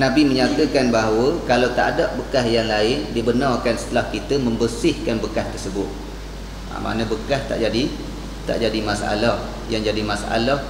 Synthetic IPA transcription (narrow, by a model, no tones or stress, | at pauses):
nabiməɲat̪əkanbaɦawəkalawt̪a̰daʔbəkahjaŋlaɪndibənarkansə̥t̪əlahkit̪əməmbəsɪhkanbəkast̪ərsəbʊt̪̚ | a̰ma̰nə̃bəkast̪a̰ʔd͡ʒadi | t̪a̰ʔd͡ʒadimasaa̰lah | jaŋd͡ʒadimasaʔa̰lah